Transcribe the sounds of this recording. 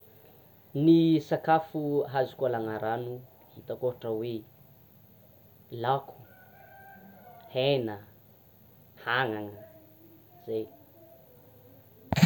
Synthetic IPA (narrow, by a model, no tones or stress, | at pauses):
nisakafuɦazukalaŋaɾanu | hit̪akoɦʈ͡ʂəwe | lakʰu̥ | henə | haŋaŋə | z̥ej